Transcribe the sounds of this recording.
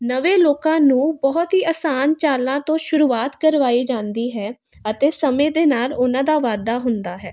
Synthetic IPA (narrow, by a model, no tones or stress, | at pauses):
nəʋẽːloːkãːnũːbɔɔt̪ɦiːaːsaːnt͡ʃaːlãːt̪õːʃʊɾuːaːt̪kəɾʋaːiːd͡ʒãːnd̪iːɦɛː | ət̪eːsəmẽːd̪eːnaːlʊnãːd̪aːʋaːd̪aːɦʊnd̪aːɦɛː